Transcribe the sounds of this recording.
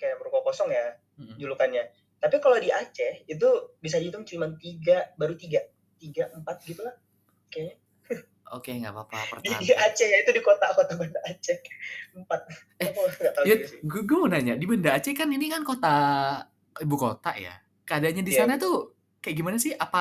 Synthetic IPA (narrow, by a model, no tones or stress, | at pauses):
kajaʔməɾukakosɔŋja | m̩d͡ʒulukanɲa | t̪apikalodiat͡ʃɛit̪̬ubis̬adit̪ʊŋt͡ʃimant̪iɡabaɾut̪iɡa | t̪iɡaʔəmpat̪̚ɡit̪ulah | okea | o̰keŋɡa̰ʔba̰pa̰pə̰rtdiadiat͡ʃɛjait̪udikot̪akot̪abəndaʔːt͡ʃɛəmpat̪̚ | ɛapuɡaʔt̪ajasɪɡuɡəmunaɲadibəndaːt͡ʃɛkaninikankot̪a | ibuko̰t̪a̰ʔja̰ | kəadaɲadisanat̪u | kajaɡimanasɪhapa